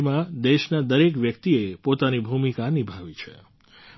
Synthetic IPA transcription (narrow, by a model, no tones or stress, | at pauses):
mãd̪eʃnad̪əɾekʋjəkt̪iepot̪anibʱumikanibʱaʋit͡ʃʰḛ